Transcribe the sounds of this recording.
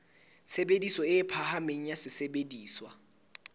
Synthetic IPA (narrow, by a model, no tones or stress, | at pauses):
sebedisɔɪpʰahameɲ̩jasɪsebediːswa